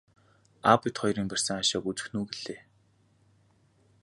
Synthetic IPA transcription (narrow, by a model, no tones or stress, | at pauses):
apĭt̪χɔjɾiːmpær̥ʲsə̆ŋaʃaːɡut͡sɘ̥̆xnuːɡeɮeː